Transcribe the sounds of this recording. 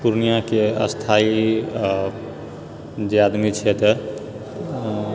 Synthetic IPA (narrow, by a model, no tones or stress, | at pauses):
puɾnijakeə̰st̪ʰai | d͡ʒead̪mit͡ʃʰɛt̪ɔ